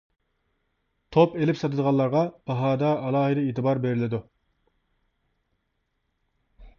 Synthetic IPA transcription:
t̪ʰopelɪpsɑt̪ʰɨd̪əʁɑnlˠːɑɾʁɑb̥ɑɦɑːd̪ɑːlˠɑːɦɨd̪ɪet̪ʰɨbɑɾbeɾɪlɪd̪u

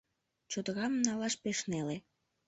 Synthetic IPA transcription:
t͡ɕod̪ɣɑmnɑlɑʃpeʃnele

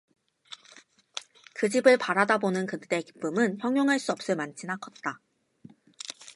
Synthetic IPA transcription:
kɯd͡ʑibɯɭpaɾadabonɯnkɯt͈e̞ki̥p͈ɯmɯnçjʌŋjoŋɦaɭs͈uʌp̚s͈ɯmant͡ɕʰinakʰʌt̚t͈a

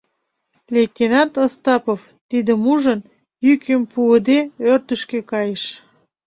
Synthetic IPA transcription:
lʲet̪ʲːinɑt̪ost̪ɑpof | t̪id̪əmuʒən | jykəmpuəd̪eørt̪əʃkekɑjeʃ

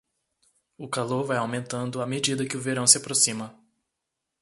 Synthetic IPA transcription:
ʊkaloɾvajawmẽnt̪ɐ̃nd̪ʊamed͡ʒid̪ɐkɪʊveɾɐ̃w̃sɪapɾosĩmɐ

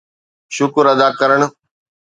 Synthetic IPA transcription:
ʃʊkɾɐd̪aːkəɾəɽ̃

